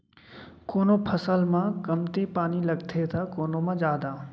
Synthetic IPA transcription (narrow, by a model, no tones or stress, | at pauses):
koːnopʰəsəlmãkɐmt̪epaːnilɐɡt̪ʰet̪ʰakoːnomãd͡ʒaːd̪aː